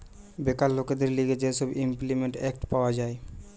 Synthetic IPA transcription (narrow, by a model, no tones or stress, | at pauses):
bekalːoked̪eɾliɡed͡ʑeʃɔbimplimeɳʈɛkʈpaoad͡ʑae